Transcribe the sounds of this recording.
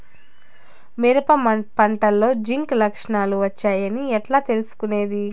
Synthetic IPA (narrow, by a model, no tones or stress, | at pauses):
miɾɐpɐpɐɳʈɐlːo̞ːd͡ʒiŋklɐkʂɐɳaːluʋɐt͡ʃːaːjɐniɛʈlaːt̪e̞lusu̥kune̞ːd̪i